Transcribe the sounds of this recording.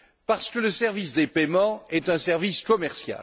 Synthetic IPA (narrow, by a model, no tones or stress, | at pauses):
paʁsə̥kələsɛʁvisd̪epemɑ̃ɛt̪ɛ̃sɛʁviskɔmɛʁsja̰l